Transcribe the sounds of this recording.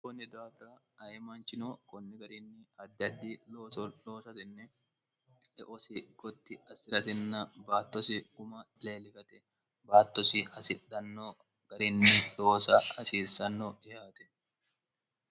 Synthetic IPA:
kɔnːɛd̪aːt̪a | ɐjɛmaːnt͡ʃɪnoːkɔnːɛɡɐɾɪnːɪɐd̪ːɐd̪ːiːoloːsɐsɪnːɛ | ᶑɛʔɔsɪɡ̥ɔt̪ːɪɐsɪɾɐt̪ɪnːɐbaːt̪ːɔsɪkʊmɐ | le̞ːlɪfɐt̪ɛ | baːt̪ːɔsɪɐsɪᶑɐnːo | ɡ̥ɐɾɪnːɪlo̞ːsɐɐsiːɾsɐnːoːɪhaːt̪ɛ̥

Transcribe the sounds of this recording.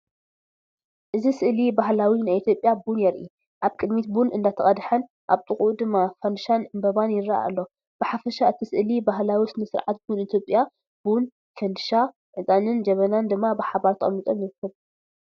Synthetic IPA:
ʔɨzisɨʔlibahlawinajit̪jo̞pʼjabunjɛɾʔḭ | ʔaβkʼɨd̪mit̪bunɨnd̪at̪ʰɐχʼɐd̪ħɐn | ʔaβt̪ʼɨχʼud̪ɨmːafɐnd̪ɨʃanɨmbɐβanjɪɾaʔa̰a̰lːo̞ | b̥ɨħafɐʃaɨt̪ʰisɨʔlibaɦlawisɨnɨsɨɾʕat̪̚bunit̪ʰjo̞pʼja | b̥un | fɐnd̪ɨʃa | ʔɨt̪ʼanɨnd͡ʒɐβɐnand̪ɨmːabɨħabaɾt̪ʰɨʔʼɐ̰mit̪ʼomjɛɾkʰːɨβ

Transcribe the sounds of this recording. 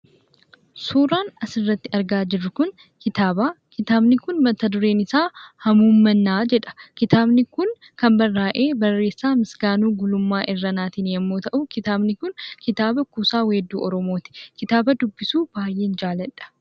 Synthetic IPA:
suːɾaːnɐsɪrːɐt̪ːɪɐɾɡaːd͡ʒɪrːʊkʊn | kɪt̪aːbaːkɪt̪aːbnɪkʊnmɐt̪ːɐd̪ʊɾeːnɪsaːhɐmuːmːɐnːaːd͡ʒɛᶑɐ̥kɪt̪aːbnɪkʊn | kɐmbɐrːaːʔe̞ːbɐrːe̞ːsːaːmɪsɡaːnuːɡʊlʊmːaːʔɪrːɐnaːt̪iːnjɛmːo̞ːt̪ɐʔʊkɪt̪aːbnɪkʊnkɪt̪aːbɐkuːsaːweːd̪ːuːʔɔɾɔmo̞ːt̪ɪ̥kɪt̪aːbɐd̪ʊbːɪsuːb̥aːjʔe̞ːnd͡ʒaːlɐᶑɐ̥

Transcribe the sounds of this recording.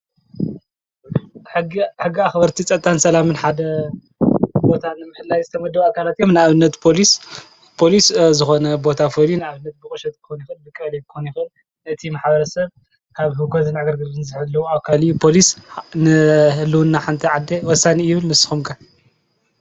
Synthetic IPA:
ħɨɡiħɨɡːiaxbɐɾt̪ʰit͡sʼɐt̪ʼːansɐlamɨnħad̪ɐ | bo̞t̪ʰanɨmːɨħɨlːajzɨt̪ʰɐmɐd̪ːɐβakʰalat̪jo̞mnɨaβɨnːɐt̪pʰo̞lis | pʰo̞liszɨxo̞nɐbo̞t̪ʰafolinaaβɨnːɐt̪̚bɨkʼɨʃɐt̪ʼkɨ̥xonjixɨnbɨkʼɐlekɨxonjixɨn | nɨt̪ʰimaħbɐɾɐsɐβ | kʰaβɦɨɡʰozɨnaɡɐɾɡɨlɨnzɨħɨlːɐwuaβkʰaljupʰo̞lisnɨhɨlːɨwunːaħant̪ʰɐʕad̪ewɔsːanijɪβɨlnɨsɨ̥xumkʰa

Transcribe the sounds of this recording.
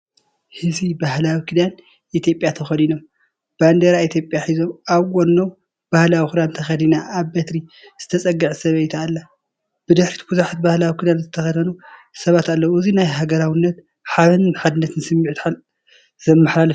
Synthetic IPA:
hɨzibahlawikʰɨd̪an | ʔit̪ʰjo̞pʼjat̪ʰɐxɐd̪inom | b̥and̪eɾait̪ʰjo̞pʼjaħizo̞maβɡʷonːo | b̥ahlawikɨd̪ant̪ʰɐxɐd̪inaʔːβbet̪ɾi | z̥ɨt̪ʰɐt͡sʼɐɡːɨʕsɐβejt̪ʰalːa | b̥ɨd̪ɨħɾit̪ʰɡuzaħat̪bahlawikʰɨd̪anzɨt̪ʰɐxɐd̪ʰɐnu | sɐβat̪alːɐwɨzinajɦaɡɐɾawinːɐt̪ | ħaβɐnħad̪ɨnːɐt̪ʰɨnsɨmːiʕt̪ħal | zɐmːaħlalf

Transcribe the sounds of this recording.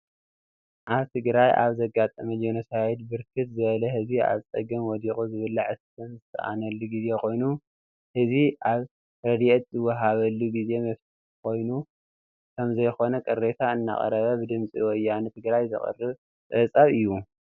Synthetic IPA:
ʔaβt̪ʰɨɡɾajʔa̰βzɐɡat̪ʼɐmɐlonɐsajɛd̪bɨɾkʰɨt̪zɨβɐlɐhɨzia̰βt͡sʼɐ̰ɡɐmwɔd̪iχʼuzɨβɨlːaʕɨskʰɐnzɨt̪ʰɐ̰ʔa̰nɐlːuɡize̞kʰo̞jnu | hɨziʔaβ | ɾɐd̪iʔɛt̪zɨwɐɦaβɐlːuɡize̞mɐfsiħkʰo̞jnu | kʰɐmzɐjxo̞nɐkʼɐrːet̪ʰaɨnːa̰χʼɐ̰ɾɐβɐbɨd̪ɨmt͡sʼiwɔjːanɨt̪ʰɨɡɾajzɨ̰χʼɨ̰rːɨβ | sʼɐt͡sʼaβɨjːu

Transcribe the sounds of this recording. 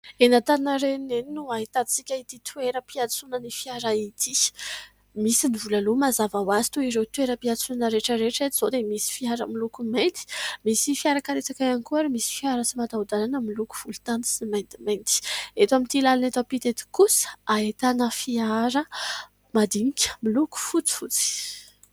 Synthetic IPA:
enat̪annəɾeneninuaɦit̪at͡sikʲait̪it̪ʰweɾəpiat͡sunənifiaɾait̪ʰi | misinivulalumazavawazi̥t̪uiɾewt̪weɾəpiat͡sunanəɾeʈ͡ʂəɾeʈ͡ʂet̪iz̥od̪emisi̥fiaɾə̰milukument̪i̥misifiaɾakaɾet͡sakaanikuaɾemisi̥fiaɾət͡simad̪aud̪alanəmiluku̥v̥ulu̥t̪ant̪i̥simand̪iment̪i̥et̪amint̪ilalanet̪apit̪et̪i̥kusaet̪anəfiaɾə | mad̪inikʲə̥miluku̥fut͡si̥fut͡si̥

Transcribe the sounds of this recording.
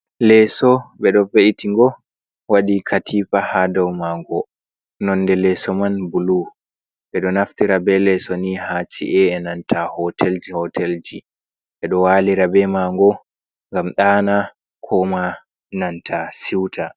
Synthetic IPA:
lɛsɔɓɛɗɔveʔitiŋɡɔ | waɗikʰatʰipahadɔwmaŋɡɔ | nɔndɛlɛsɔmanbulu | ɓɛɗɔnaftiɾabɛlɛsɔnihat͡ʃḭʔɛɛnantʰahɔtɛld͡ʒihɔtʰɛld͡ʒi | ɓɛɗɔwaːliɾabɛmaŋɡɔ | ŋɡamɗaːna | kʰɔma | nantʰasiwtʰa

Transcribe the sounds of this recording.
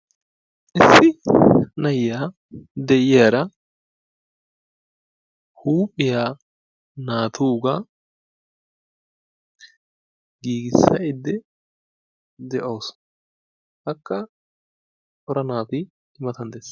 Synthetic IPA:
ʔɪsːɪnɐjɪjaː | d̪ɛʔɪjaːɾɐ | huːpʼːɪjaː | naːt̪ʰuːɡa | ɡiːɡɪsːɐ̰ʔɪd̪ːɛ | d̪ɛʔoːs | hɐkːɐ | ʔɔɾɐnaːt̪ɪ | ɪmɐt̪ɐnd̪eːs

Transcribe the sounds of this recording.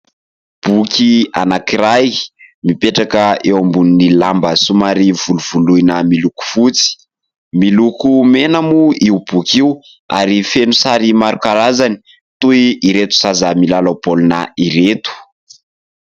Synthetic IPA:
b̥ukʲia̰nakiɾajmipeʈ͡ʂakəewambuninilambəsumaɾiv̥uluv̥ulujnəmiluku̥fut͡si̥ | milukumenamuiubukʲiu | a̰ɾifenusaɾimaɾukaɾazani̥ | t̪uiiɾet̪u̥sazamilalapoluna̰iɾet̪u̥

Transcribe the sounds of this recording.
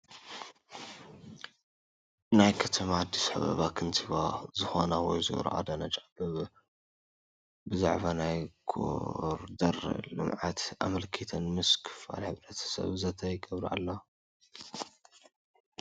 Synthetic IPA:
najkʰɐt̪ʰɐmad̪isħa̰βɐ̰βakʰɨnt̪ʰɨβazɨxonawɔjzɨ̰ʔɾ̰ʔa̰d̪anɐt͡ʃʼabɨβ | bɨza̰ʕβanajɡʰo̰ɾd̪ɐɾlɨ̰mʕat̪ʔa̰mɐlkʰit̪ʰɐnmɨskʰɨ̥fa̰lħɨβɾɐt̪ʰɐ̥sɐ̰βzɐt̪ʰɐjɡʼɐβɾa̰lːa

